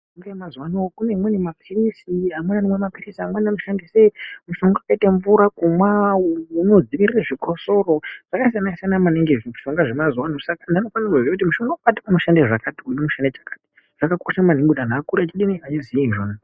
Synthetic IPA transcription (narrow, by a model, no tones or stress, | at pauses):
ŋɡemazwanookunemwenemapʰirisiɦamwananemwemapirisiɦamwananoʃandisemuʃo̞ŋɡoakaitaɱvuɾakumwauno̞d͡ziʋiriraʐikʰo̞so̞ɾoʐ̥akaisanaisanamaneŋɡeʐʃo̞ŋɡaʐe̞mazwanosakandano̞fanarauziak̬utimuʃo̞ŋɡaokati̥uno̞ʃandeʐakatiujomuʃandet͡ʃḁkḁti̥ | ʐ̥akakoʃaman̤iŋɡudan̤aːkuɾat͡ʃiɗiniat͡ʃiziiʒoːna